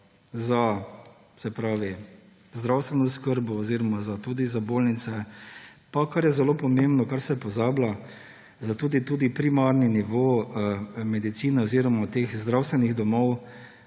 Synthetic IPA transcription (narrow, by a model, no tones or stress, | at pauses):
za | sɛpɾaːʋi | zd̪ɾawst̪ʋɛnɔskəɾbɔːziɾɔmazat̪uːd̪izaboːlnit̪sɛpakaɾjɛzɛlopɔmembnɔkaɾsɛpɔzaːbla | zat̪uːd̪it̪uːd̪ipɾimaɾniniʋoː | mɛd̪it̪siːnɛɔziːɾɔmat̪eːxzd̪ɾawst̪ʋɛniɣd̪ɔmɔw